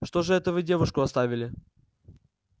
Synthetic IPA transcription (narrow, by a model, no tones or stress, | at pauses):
ʂt̪o̞ʐɨɛt̪əvɨdʲe̞vʊʂkʊɐst̪avʲɪlʲɪ